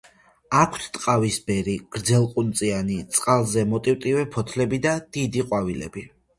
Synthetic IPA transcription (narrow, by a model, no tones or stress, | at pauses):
akʷʰt̪ʰt̪ʼqʼavisbɛɾiɡ̥ɾd̪zɛlˠqʼunt̪sʼianit̪sʼqʼalˠzɛmɔt̪ʼiwt̪ʼivɛpʰɔt̪ʰlɛbid̪ad̪̥id̪iqʼwavilɛ̰bi